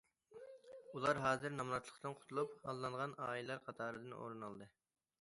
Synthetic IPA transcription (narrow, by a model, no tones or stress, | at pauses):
ulˠɑɾɦɑːzɨɾnɑmnɑt̪lˠə̥qt̪ɨnqʰʊ̥t̪ʰulˠuphɑlˠːɑɴʁɑnɑːilˠɑɾqʰɑt̪ʰɑːɾɨd̪ɨno̰ɾɨnɑlˠd̪ɨ